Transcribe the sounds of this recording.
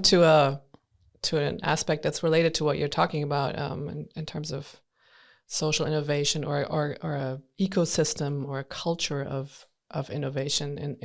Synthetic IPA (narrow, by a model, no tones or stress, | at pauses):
tʰɨə | tʰɨɨ̃næ̰spɛk̚ðɨtsɹɨleɪɾɨd̚tʰəwʌt͡ʃə˞tʰɔkɪ̃ŋɨbaʊɾʌ̰̃mɪ̰̃nɨ̃ntʰɜ̃˞mzʌv̥ | soʊʃl̩ˠɪ̰̃nɨʊveɪʃɨ̃nə˞ʔə˞ʔə˞ɨikoʊsɪstə̃mə˞ɨkʰʌlˠt͡ʃə˞ʌv̥ | ʔʌvɪ̰̃nɨveɪʃɨ̃nɨ̰̃n